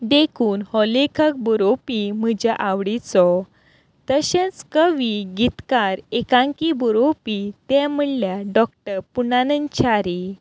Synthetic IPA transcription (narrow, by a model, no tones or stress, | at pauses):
ɖ̪ekʰuːnhɔlekʰək̚bɔɾopim̤əd͡ʑaʔaʋɽit͡sɔ | t̪əɕẽt͡skəʋiɡit̪kaɾekãŋkibɔɾopit̪ɛ̃məɽljaɖɔk̚ʈəɾpunanənt͡ɕʰaɾi